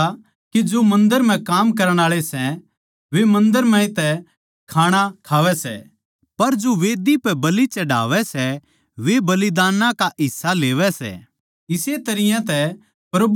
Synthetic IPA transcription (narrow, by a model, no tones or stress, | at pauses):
kid͡ʒomɐ̃nd̪əɾm̤ɛ̃kaːmkɐɾəɽ̃aːɭesɛ | ʋemɐ̃nd̪əɾmɛ̃ɪt̪ɛ | kʰaːɽ̃akʰaːʋɛsɛ̰ | pɐɾd͡ʒoʋeːd̪ipɛbɐlit͡ʃɐɖa̰ːʋɛsɛ | ʋebɐlɪd̪aːnãkaʔɪsːaleːʋɛsɛ̰ | ɪset̪ɐɾɪjãt̪ɛ | pɾɐb